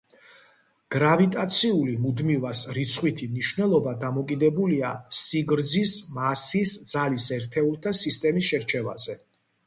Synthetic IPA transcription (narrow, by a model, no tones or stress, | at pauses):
ɡ̥ɾavit̪ʼat̪sʰiulimud̪mivasɾit̪sʰχwit̪ʰimniʃvnɛlˠɔbad̪amɔkʼid̪ɛbuliasiɡɾd̪zismasisd̪z̥alisɛɾt̪ʰɛulˠt̪ʰasist̪ʼɛmisʃɛɾt͡ʃʰɛva̰zɛ